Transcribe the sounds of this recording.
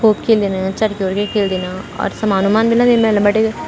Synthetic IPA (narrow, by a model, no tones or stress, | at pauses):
koːpkʰeːld̪eːnat͡ʃɐʈkjoːɾkekʰeːld̪eːnaɔ̰ːɾsɐmaːnumaːnbɪlamemɛ̃lɐ̃mbəʈe